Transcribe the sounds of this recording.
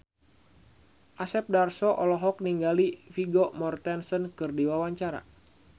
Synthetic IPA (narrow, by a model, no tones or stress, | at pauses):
ʔasɛp̚darsɔʔɔlɔɦɔk̚niŋɡalifiɡɔmɔrt̪ɛnsɔnkɨrdiwawaɲt͡ʃaɾa̰